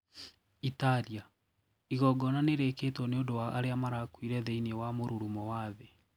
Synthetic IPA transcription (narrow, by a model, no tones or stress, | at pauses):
itaɾia | iɣɔɡɔnaneɾeketwɔneondowaaɾeamaɾakwiɾɛðeiniewamoɾuɾumɔwaːðɛ